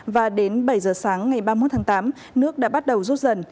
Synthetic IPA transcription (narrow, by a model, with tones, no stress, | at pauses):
vaː˨˩ɗe˨˦nɓə˧˩jzəː˨˩saː˨˦ŋːa˨˩jɓaː˧m̚˦˥t̪ʰaː˨˦t̪aː˨˦m | nɨ˦˥ək̚ɗa̰ː˧˥ɓa˦˥t̚ɗə˨˩wzu˦˥t̚zə˨˩n